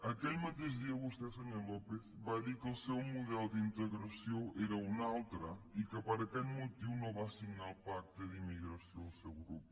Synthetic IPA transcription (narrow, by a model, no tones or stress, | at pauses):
ɐkelmat̪ezðiɐɣust̪ɛsɐɲɛllɔpesβajðiɾkɪʊsewmuðɛld̪int̪eɣɾasjoeɾɐunawt̪ɾɐikɪpɐɾɐkɛʎmot̪iwnõβasiɣnalpak̚t̪eðimiɣɾɐsjõʊsewɣɾupu̥